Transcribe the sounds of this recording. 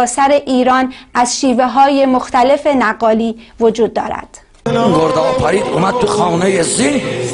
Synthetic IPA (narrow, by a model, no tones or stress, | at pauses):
sæɾe̞ʔiːɾɒːnæzʃiːve̞ɦɒːje̞moxt̪ʰæle̞fe̞næɢːɒːliːvod͡ʒuːd̪̚ːɒ̰ːɾæ̰d̪̥ | ɡoɾd̪ɒːfæɾiːd̪umæd̪̚t̪ʰuxɑːnejezi